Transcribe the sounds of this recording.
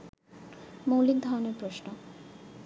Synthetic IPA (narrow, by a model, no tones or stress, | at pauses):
mowliɡ̚d̪ʱaɾoneɾpɾoʃno